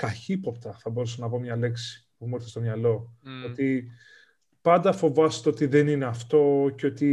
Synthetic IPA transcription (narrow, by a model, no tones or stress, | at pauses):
kɐçipo̞pt̪ɐθɐbo̞ɾusɐnɐvo̞mɲɐle̞ksi̥pumoɾθest̪o̞mɲɐlo̞ot̪i | pɐnd̪ɐfo̞vɐst̪eo̞t̪iðe̞nine̞ɐft̪o̞ceo̞t̪i